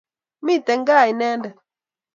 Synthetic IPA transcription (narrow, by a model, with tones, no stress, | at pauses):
mi˦˨tɛ˨ŋ̩˦ɡaː˦˨i˨nɛ˦ndɛ˨